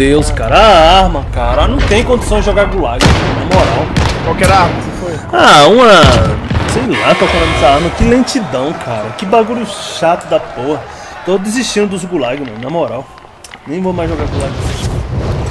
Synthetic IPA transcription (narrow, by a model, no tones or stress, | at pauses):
ewskaɾɐaahmɐkaɾɐanɐ̃w̃t̪ẽj̃kõd͡ʒ̪isɐ̃j̃d͡ʒɪʒɔɡaɾɡulaɡʊmɐ̃nnamɔɾawkwawkɛɾahmɐsifoj | aũmɐ | sejlat̪okɐ̃nd̪ɐ̃d̪ɛsɐaaɾmɐkɪlẽt͡ʃid̪ɐ̃w̃kʰaɾɐkɪbaɡuʎʊʃat̪ʊd̪ɐpohɐ | t̪od̪ɪziʃt͡ʃĩnʊd̪ʊzɡulaɡʊmɐ̃nɐmɔɾaw | nẽj̃vomajzʒɔɡaɾɡulaɡsiʃ